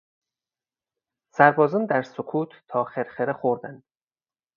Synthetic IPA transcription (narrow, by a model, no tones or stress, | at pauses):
sæɾbɒːzɒnd̪æɾsokʰuːt̪ʰːɒːxeɾxeɾexoɾd̪ænd̪̥